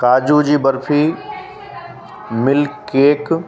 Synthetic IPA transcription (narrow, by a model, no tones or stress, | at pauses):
kaːd͡ʑud͡ʑiːbɐɾpʰiː | mɪlkeːk